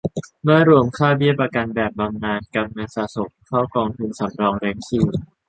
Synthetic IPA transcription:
mɯ˥˩ɐɾu˧əmkʰaː˥˩wbi˥˩əpɾa˧ka˧nbɛː˨˩p̚ba˧mnaː˧nka˧mŋa˧saː˧˩so˨˩k̚kʰaː˥˩wkɔː˧ŋt̪ʰu˧nsa˩˦mɾɔː˧ŋɾɛː˨˦˥ŋkʰiː˧˩w

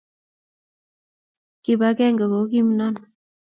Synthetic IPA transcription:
ki˨ba˦kɛ˦ŋɡə˨ko˨˦k̬i˦mnɔ˦˨n

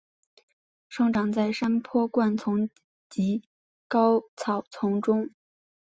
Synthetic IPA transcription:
ʂɤ˥ŋʈ͡ʂɑ˨˩ŋt͡sa˥˩ɪʂa˥npʰɔ˥kwa˥˩nt͡sʰʊ˧˥ŋ | t͡ɕi˧˥ | kɑ˥ʊt͡sʰɑ˨˩ʊt͡sʰʊ˧˥ŋʈ͡ʂʊ˥ŋ

